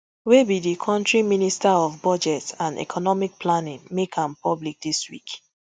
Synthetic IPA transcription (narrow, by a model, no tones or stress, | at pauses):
webidikʰɔ̃ntɹiministaɔvbɔd͡ʒɛtsãndɛ̰kʰɔnɔmik̚pʰlanĩŋmekʰãmpʰɔblik̚diswḭk